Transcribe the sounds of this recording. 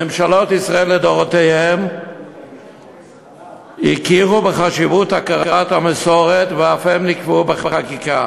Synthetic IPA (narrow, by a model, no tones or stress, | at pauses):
emʃalo̞t̪isʁaelːed̪oʁot̪ehem | ikiʁubeχaʃivut̪hakaʁat̪hamesoʁet̪veafemnikvubeχaχakika